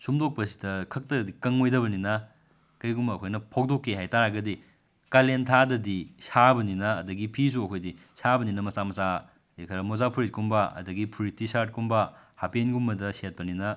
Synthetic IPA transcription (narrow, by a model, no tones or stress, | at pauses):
sumdok̚pɐsi̥dɐkʰɐk̚tɐdikɐŋojdɐbɐninɐ | kɐjɡumbɐːkʰojnɐpʰok̚dokːeɦajtaɾaɡɐdi | kalentʰadɐdisabɐninɐːdɐɡipʰis̬uɐkʰojdi | sabɐninɐmɐsamɐsa | ekʰɐɾɐmozapʰuɾit̚kumbɐɐ̰dɐɡipʰuɾit̚ːisaɾt̚kumbɐhapenɡumbɐdɐset̚pɐninɐ